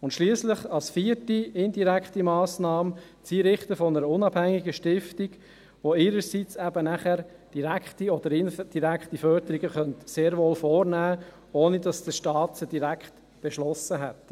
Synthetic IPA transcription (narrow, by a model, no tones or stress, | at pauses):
ʊntʃliəsləχɑlsfiːətiɪndiɾækχtimɑːsnɑːm | t͡siːɾɪχtəfɔnəɾəʊnɑb̥hæŋːiɡəʃtɪftiɡ | ʋoɪːɾəɾsit͡sɛbənæχæɾd̥iɾækχtiɔd̪əɾɪnd̥iɾækχtifœɾd̪əɾiɡəχœnt̪seːɾʋoːlfoːɾnæː | oːnid̥ɑsd̥əʃtɑːt̪səd̥iɾækχt | b̥ɛʃlɔsəɦɛt